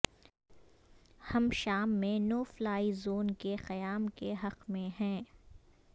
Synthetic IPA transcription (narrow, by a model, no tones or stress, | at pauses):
hɐmʃaːmːẽnoːflaːizoːnkexɐjaːmkeɦɐqmẽɦɛ̃ː